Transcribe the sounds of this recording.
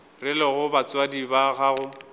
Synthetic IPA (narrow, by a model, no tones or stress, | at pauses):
rɪlɪɣʊbat͡sʼwadibaɣaɣʊ